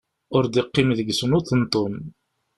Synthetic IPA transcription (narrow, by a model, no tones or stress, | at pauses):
ʊɾd̪iqːimðəɡsənʊθənt̪ˤːon